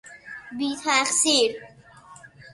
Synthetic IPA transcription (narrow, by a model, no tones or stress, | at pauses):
biːt̪ʰaxsiɾ